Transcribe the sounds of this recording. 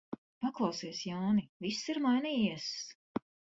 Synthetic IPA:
paklˠɑwsiɛsjawnivisːiɾmajniːjiɛs

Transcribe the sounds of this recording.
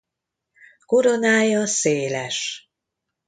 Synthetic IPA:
ko̞ɾo̞naːjɒseːlɛʃ

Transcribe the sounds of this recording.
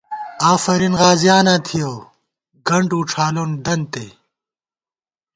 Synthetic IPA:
aːfɐɾinɣaːzijaːnat̪ʰijoː | ɡɐɳɖuːʈ͡ʂʰaːlund̪ɐnt̪ḛː

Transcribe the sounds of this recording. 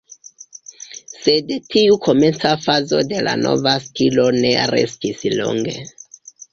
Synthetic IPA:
sedtʰiukʰo̞me̞nt͡safazo̞de̞la̰no̞̰vastʰilo̞ne̞ɾe̞̰stislo̰ŋɡe̞̰

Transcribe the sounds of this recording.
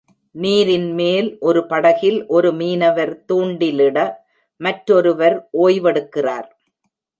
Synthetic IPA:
niːɾɪnmeːlʔɔɾɯpɐɽɐɣɪlʔɔɾɯmiːnɐʋɐɾt̪uːɳɖɪlɪɽɐ | mɐʈɾɔɾɯʋɐɾʔoːjʋɐɽɯkːɪraːɾ

